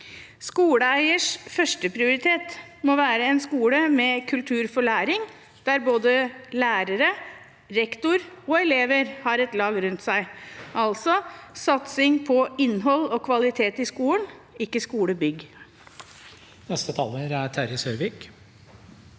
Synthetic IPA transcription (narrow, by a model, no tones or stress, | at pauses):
skuːɽəæɪəʂfœʂʈəpʰɾɪʊɾɪt̪ʰeːt̪ | moʋæːɾəɛnskuːləmɛkʰʉlt̪ʰʉːɾfɔɭæːɾɪŋ | d̪̥æɾboːd̪əlæːɾəɾə | ɾɛkt̪ʊɾɔɛleːʋəɾhɑɾɛt̪lɑːɡɾʉnt̪sæɪʔɑlsɔsɑt̪sɪŋpʰɔɪnːɦɔlɔkʰʋɑlɪt̪ʰeːt̪ɪskuːən | ɪkːəskuːɽəbʏɡ | nɛst̪ət̪ʰɑːləɾæʈʰæɾɪsœʏʋiːk